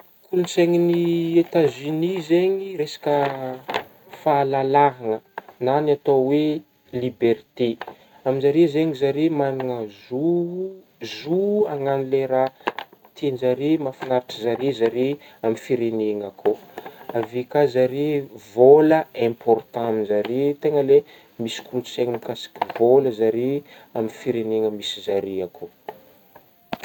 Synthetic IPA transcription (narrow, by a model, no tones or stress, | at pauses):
kʰulit͡seŋiniet̪azinizeɲiresḁkə | falalaɦanənanat̪owe | libert̪e | aminzaɾezeŋizaɾemanuŋəzu | zuaŋanileɾat̪ʰenzaɾimafinaɾaʈ͡ʂəzaɾizaɾi | amifiɾeneŋakʰoavikazaɾivoləɛ̃mpʰɔrt̪ãaminzaɾit̪eŋəle | misi̥kuɾuseŋimikasi̥kʲivoləzaɾi | aminfiɾeneŋəmisizaɾiakʰo